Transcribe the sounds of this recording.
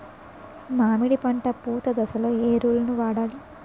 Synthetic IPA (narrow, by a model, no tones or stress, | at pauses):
maːmiɽipɐɳʈɐpuːt̪ɐd̪ɐsɐloːeːɾuːlɐnuʋaːɽaːli